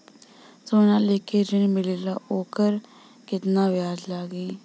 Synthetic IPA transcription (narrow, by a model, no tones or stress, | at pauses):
soːnãːleːkeːd͡ʒɪnmɪleːlaːʔoːkəɾ | kɪt̪nãːʋɪjaːzlaːɡiː